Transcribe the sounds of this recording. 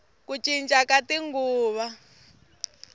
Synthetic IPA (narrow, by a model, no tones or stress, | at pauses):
kut͡ʃʼint͡ʃʼakatiŋɡuːβa